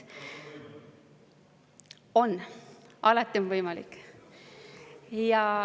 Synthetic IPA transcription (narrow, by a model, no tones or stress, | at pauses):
o̞nːʔɑlɑt̪ˑːionvɤjmɑlḭk | jɑ